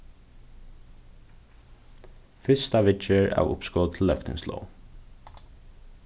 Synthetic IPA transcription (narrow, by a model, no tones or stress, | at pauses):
fɪst̪ɑʋɪt͡ʃəɹæ̰ːʋʊ̰pskɔːt̪ʰl̩ːœkt̪ɪ̰ŋslɔ̰ʊ